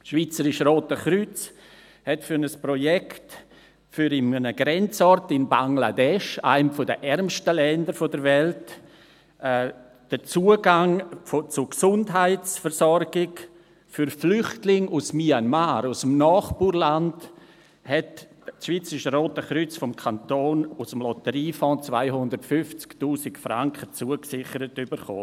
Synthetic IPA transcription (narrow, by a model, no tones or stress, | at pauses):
ʃvit͡səɾɪʃɾoːtəχɾyt͡s | hɛtfʏɾnəspɾojɛkt | fyɾɪmnəɡɾɛnt͡sɔɾtɪnbaŋla̰dɛʃa̰ɪmfʊdə̰ʔɛɾmʃtəlɛndəɾfodəɾvɛltː | d̥ət͡suəɡaŋfot͡sʊksʊndɦaɪsfəɾsɔɾɡɪk | fyɾflʏχtlɪŋusmianmaːɾusəm̩nɔːχbuːɾland | hɛtː | ʃvit͡səɪʃəɾoːtəχɾʏt͡sfɔmkʰantoːnusəmlɔtəɾiːfɔ̃ːt͡sv̥a̰ɪhʊndəɾtfʏft͡sktuːsɪkfɾaŋkχət͡suəksɪχəɾətybəɾχo̰ː